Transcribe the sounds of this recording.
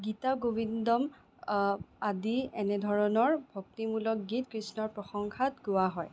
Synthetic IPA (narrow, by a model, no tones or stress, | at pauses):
ɡitaɡobindɔm | adiɛnɛdʱɔɹɔnɔɹbʱoktimulɔk̚ɡitkɹisnɔɹpɹɔxɔŋkʰatɡʊwaɦɔj